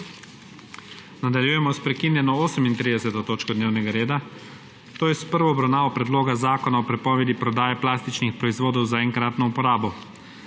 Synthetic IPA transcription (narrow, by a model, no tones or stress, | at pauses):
nad̪aljujɛmɔspɾɛkinjɛnɔoːsəmint̪ɾiːd̪ɛsɛt̪ɔt̪oːt͡ʃkɔd̪neːwnɛɡaɾeːd̪a | t̪oːjɛspəɾʋɔːbɾawnaːʋɔpɾɛd̪loːɡazaːkɔnaɔpɾɛpɔːʋɛd̪ipɾɔd̪aːjɛplaːst̪it͡ʃnixpɾɔizʋoːd̪ɔwzaɛŋkɾaːt̪nɔupɔɾaːbɔ